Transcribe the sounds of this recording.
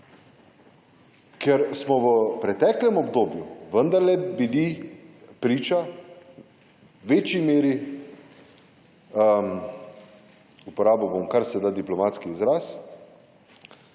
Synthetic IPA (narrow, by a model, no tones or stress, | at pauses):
kʰɛɾsmɔʋəpɾɛt̪ɛklɛmɔbd̪oːbjuʋənd̪aɾlɛbili | pɾiːt͡ʃa | ʋeːt͡ʃimeːɾi | əm | upɔɾaːbobomkaɾsɛd̪aːd̪iplɔmaːt̪skiːzɾas